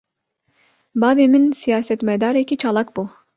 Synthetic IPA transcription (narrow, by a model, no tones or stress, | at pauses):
baveminsijaːsɛt̪mɛd̪aɾiikʲit͡ʃʰalˠakbu